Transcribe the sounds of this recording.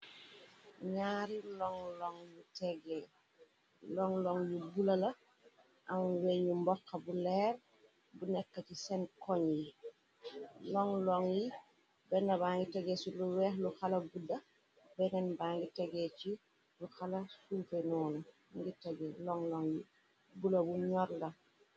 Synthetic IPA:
ɲaːɾilɔŋlɔŋjutɛɡɛ | lɔŋlɔŋjubulɐlɐ | ʔamwɛɲumbɔkːɐbulɛːr | bunɛkːəcisɛnkɔɲji | lɔŋlɔŋji | bɛnːɐbaːŋɡitɛɡɛsuluwɛːxluxalɐɡudɐ | bɛnɛnbaːŋɡitɛɡɛt͡ʃi | luxalɐsufenɔːnɐ | ŋɡitɛɡɛlɔŋlɔŋji | bulɐbuɲɔɾlɐ

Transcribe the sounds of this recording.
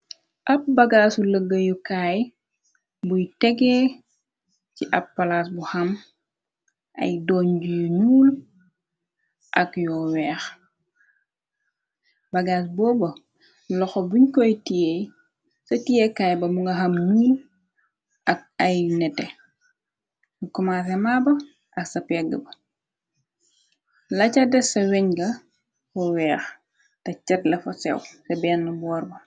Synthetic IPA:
ʔɐp̚baɡaːsuləɡːəjukaːj | bujtɛɡɛː | ciʔɐpːalasbuhɐm | ʔɐ̰jdɔːɲɟujuɲuːl | ʔɐkjɔːwɛːx | bɐɡaːsbɔːbɐ | lɔxɔbuɲkɔjtijej | sɐtijɛkajbɐmuŋɡɐɦɐmnuːl | ʔɐk̚ɐjnɛtɛ | mukumaːsɛmaːbɐ | ʔɐksɐpɛɡəbɐ | lɐcadɛsɐwɛɲɡɐ | fɔwɛːx | tɐcɛtlɐfɐsɛ̰wsɐbɛːnːɐbɔːrbɐ

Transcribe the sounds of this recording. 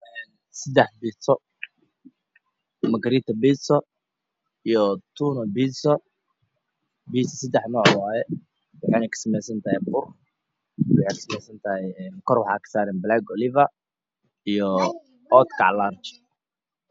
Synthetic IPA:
ɛn | sɐd̪ɛħbiːsɔ | mɐɡɾiːt̪ʰɐbiːsɔ | ijɔt̪ʰuːnɔbiːsɔ | biːsɐsɐd̪ɛħnɔːʕwaːjɛ | wɑħɑːnɛkʰɐ̥sɐmɛjsɐnt̪ʰɐhɛjbʊr | wʊħɛjkɐ̥sɐmɛjsɐnt̪ʰɐɦɛjɛːnkʰɔrwɑħɑ̰ːkʰɐ̥saːɾɛnblaɡɔlɪvɐ | ijɔ | ɔt̪kʰa̰ʕlart͡ʃ

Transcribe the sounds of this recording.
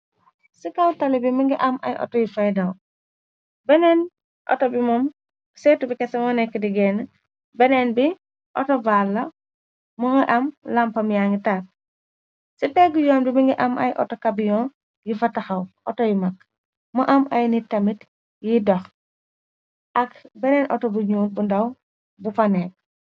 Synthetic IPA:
sikɐwtɐlibimiŋɡiʔɐmɐ̰jʔɔ̰tɔjifɐjdɐw | bɛnɛn | ʔɔ̰tɔbimɔm | sɛːtːubikɛsɐmɔnɛkːədiɡɛn | bɛnɛnbi | ʔɔ̰tɔvalːɐ | muŋɡiʔɐmlɐmpɐmjaŋɡitak̚ | sitɛɡujɔːnbimiŋɡiʔɐmʔɐ̰jʔɔ̰tɔkabijɔːn | ɡifɐtɐxɐwɔtɔjimɐk̚ | muʔɐmɐjnitɐmit | jidɔx | ʔɐkbɛnɛnʔɔtɔbuɲuːt̚bundɐw | bufɐnɛk̚

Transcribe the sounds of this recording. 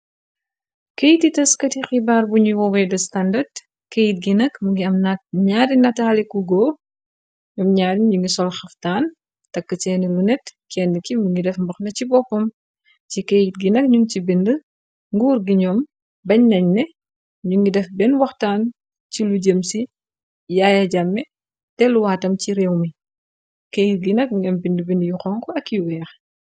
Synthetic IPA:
kejtitɐskɐtixibaːrbuɲuwɔwɛdɐstɐndɐd | kejit̚ɡinɐkmuŋɡiɐmnɐɲaːdinɐtaːlikuɡɔː | ɲɐmɲaːdiɲuŋɡisɔlxɐftaːn | tɐkːət͡ʃɛːnilunɛtkɛndəkimuŋɡidɛfmbɐxnɐcibɔpːɔm | cikejit̚ɡinɐk̚ɲuncibində | ŋɡuːɾɡiɲɔːm | bɐɲnɐɲnɛ | ɲuŋɡidɛfbɛnwɐxtaːn | ciluɟəmsi | jaːjɐɟamːɛ | tɛluwaːtɐmciɾɛwmi | kejit̚ɡinɐk̚ɲuŋɐmbindəbindjuxɔŋkɔɐkːjuwɛːx

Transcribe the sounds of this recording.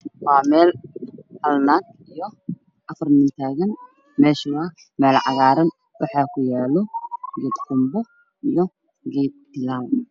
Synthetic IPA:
wɑːmɛːlhɐlnaːd̪ | ijɔ | ʔɐfɐrmɪnt̪ʰaːɣɐn | mɛːʃʊɐ | mɛːlʕɑ̰ɣaːɾɐn | wɑħɑːkʰʊjɛːlɔɡɛːd̪kʰʊmbɔ | ʔijɔ | ɡɛːd̪̚ɪlaːl

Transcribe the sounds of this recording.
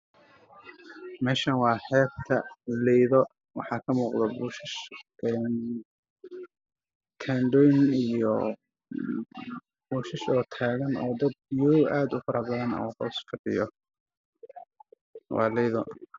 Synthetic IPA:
mɛːʃɐnwɑːħɛːb̚t̪ʰɐlɛjðɔ | wɑ̰ħɑːkʰɐmuːqðɐbʊʃɪʃʔɛn | kʰaɳɖɔːjɪnijɔ | b̥ʊʃɪʃɔːt̪ʰaːɣɐnɔ̰ːd̪ɐd̪̚jɔwʔaːd̪ʊfɐɾɐbɐðɐnɐ̰uːhɔːskʰɐɖɪjɔ | wɑ̰ːlɛjðɔ

